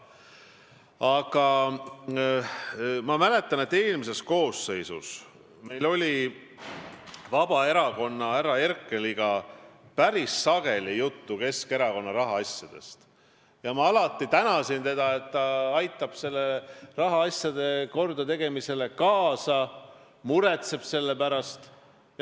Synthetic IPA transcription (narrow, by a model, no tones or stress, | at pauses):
ɑɡ̥ɑ | mɑmæle̞t̪ˑːɑne̞t̪ːeːlmise̞sko̞ːsːe̞jsṵs | me̞jlo̞lʲi | vɑb̥ɑe̞ɾɑko̞nːɑæɾɑe̞rkːˑe̞liɡ̥ɑpæɾisːɑɡ̥e̞lijut̪ːuke̞ske̞ɾɑko̞nːɑɾɑɦɑɑsʲjɑd̪̥e̞̰st̪ | jɑmɑɑlɑt̪ːˑit̪ænɑsint̪e̞d̪̥ɑe̞t̪ːɑɑjt̪ˑːɑb̥se̞lːerɑɦɑɑsʲjɑd̪̥e̞ko̞rd̪ɑt̪e̞ɡ̥e̞mise̞le̞kɑːsɑ | muɾe̞t̪se̞b̥se̞lːe̞pæɾɑst̪ | j